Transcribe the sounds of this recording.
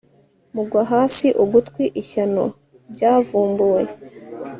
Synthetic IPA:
muɡwaɦaːsiʔoɡutkwiʔiçano̰ | ɾɟavuːmboːje

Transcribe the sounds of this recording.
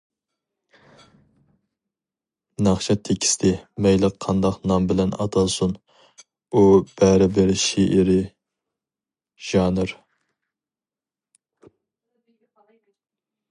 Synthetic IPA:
nɑχʃʰɑt̪ʰekʲʰi̥st̪ʰɪmɛjlˠəqʰːɑnd̪ɑqnɑmbɪlɛnɑ̰t̪ʰɑsun | ub̥ɛɾɪbɪɾʃeʔɪɾɪ | ʒ̥ɑːnɨɾ

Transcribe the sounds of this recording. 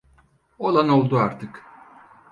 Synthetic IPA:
o̞lˠano̞lˠd̪uaɾt̪ʰɯk

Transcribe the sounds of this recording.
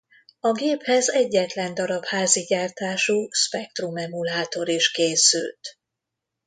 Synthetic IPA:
ɒɡeːphɛzɛɟːɛt̪lɛnd̪ɒɾɒphaːziɟaːrt̪aːʃuːʃpɛk̚t̪rumɛmulaːt̪o̞ɾiʃkeːsy̰lt̪

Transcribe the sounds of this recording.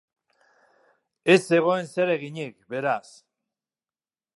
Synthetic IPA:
e̞se̞ɣ̞o̞e̞nse̞ɾe̞ɣiɲikbe̞ɾas

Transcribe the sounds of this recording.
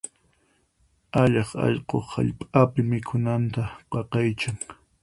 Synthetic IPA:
aʎɑχɑ̰ʎqoχha̰ʎpʼapɪmɪkʰʊnant̪aqɑqɑjt͡ʃaŋ

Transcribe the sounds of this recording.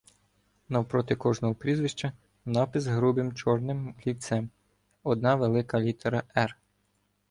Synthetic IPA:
nɐwpɾɔt̪ɪkɔʒnɔɦɔpɾʲizʋɪʃt͡ʃɐ | nɑpɪzɦɾubɪmt͡ʃɔrnɪmlʲit̪sɛm | ɔd̪nɑʋelˠɪkɐlʲit̪eɾɐʔɛr

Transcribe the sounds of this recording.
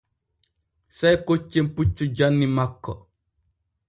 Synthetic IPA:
sajkot͡ʃːemput͡ʃːud͡ʒanːimakːɔ

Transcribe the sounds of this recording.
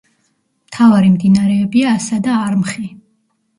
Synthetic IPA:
mt̪ʰavaɾimd̪inaɾɛːbiaːsad̪aːɾmχi

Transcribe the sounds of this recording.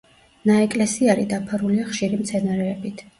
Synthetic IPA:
naɛkʼlɛsiaɾid̪apʰaɾuliaχʃiɾimt̪sʰɛnaɾɛːbit̪ʰ

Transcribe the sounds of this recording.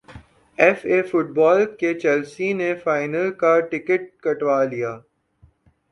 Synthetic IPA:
ɛfeːfʊʈ̚bɔːlket͡ʃɛːlsinefaːɪnəlkaʈɪkəʈ̚kɐʈʋaːlijaː

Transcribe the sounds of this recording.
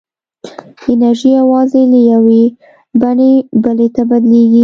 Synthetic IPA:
ɪnaɾʒijawɑzelajawe | baɳebəlet̪abad̪leɡi

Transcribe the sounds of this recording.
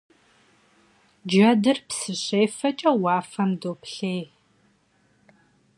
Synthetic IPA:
d͡ʒɐdɨrpsɨɕeːjfɐt͡ʃʼɐwɑːfɐmdoːpɬeːj

